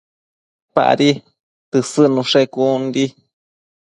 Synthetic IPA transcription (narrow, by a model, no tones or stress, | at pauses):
pa̰ʔa̰ɾi | t̪ɨsɨnũʂekunɾi